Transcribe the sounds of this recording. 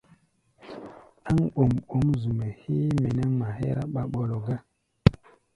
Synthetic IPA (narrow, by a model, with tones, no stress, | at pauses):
a˦ŋo˨mo˨˦mzu˨me˨he˦me˨ne˦ŋma˨hḛ˦ɾa˦ɓa˨ɓo˨lo˨ɡa˦